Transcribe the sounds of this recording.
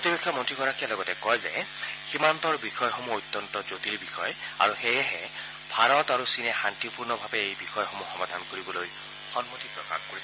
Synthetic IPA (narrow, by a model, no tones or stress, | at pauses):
potibekʰːɔmɔntɹiɡɔɹakialɔɡɔtɛkɔjzɛ̰ | ximantɔɹbixɔjxomuojt̪ːɔntɔzotilbixʰɔj | a̰ɹuxejɛɦɛ | bʱaɹɔtaɹusinɛxantipuɹnɔbʱabɛejbixɔjxomuxɔmad̪ʱankoɹibɔloj | xɔnmotipɹɔka̰nkoɹisɛ